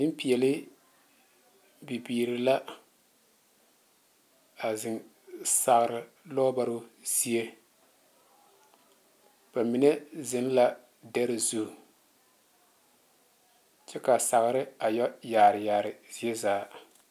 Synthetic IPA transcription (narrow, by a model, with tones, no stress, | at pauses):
ɪ˦m˦pi˨jɛ˨lɪ˦ | bi˨biː˨ɾɪ˨la˦ | a˨zɪ˨n | sa˨ɣɾɪ˨ | lɔ˦ba˦ɾʊ˦z̥i˦e˦ | b̥a˨mi˨nɛ˦zɪ˦n˦la˦ | dɛ˦ɾɪ˦zu˦˨ | t͡ʃɛ˦ka˨sa˨ɣɾɪ˦a˨jɔ˦jaː˨ɾɪ˨jaː˨ɾɪ˨z̥i˦e˦zaː˨˦